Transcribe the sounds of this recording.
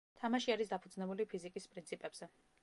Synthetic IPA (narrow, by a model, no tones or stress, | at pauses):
t̪ʰamaʃiaɾisd̪apʰud̪znɛbulipʰizikʼispʼɾint̪sʰipʼɛbz̥ɛ